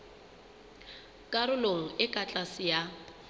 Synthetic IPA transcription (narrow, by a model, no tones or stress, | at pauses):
kʼaɾʊloŋ̩ɪkʼat͡ɬʼasɪja